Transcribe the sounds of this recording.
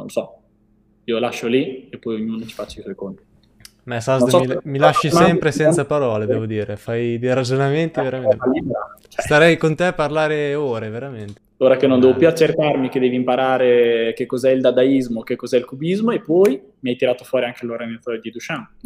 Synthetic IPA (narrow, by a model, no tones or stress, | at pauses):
nõ̰losɔ | iːolaʃːoliepːɔjoɲːuːnot͡ʃi̥fat͡ʃːaiswɔjkont̪i̥ | masaznd̪similaʃːisɛmpɾesɛnsapaɾɔːled̪ɛːvod̪iːɾefajd̪eɾad͡ʒonament̪iveɾamalibɾat͡ʃɛst̪aɾɛjkont̪eparlaːɾeoːɾeveɾament̪e̥ | oːɾakenːond̪ɛvopjuat͡ʃːerkarmiked̪ɛːvimpaɾaːɾekekːozɛild̪ad̪aizmokekːozɛilkubizmoepːɔj | miajt̪iɾaːt̪ofwɔːɾiaŋkeloɾament̪aɾed̪id̪ut͡ʃan